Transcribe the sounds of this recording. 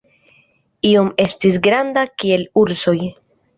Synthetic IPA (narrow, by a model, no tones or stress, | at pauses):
iome̞stis̬ɡɾandakie̞luɾso̞j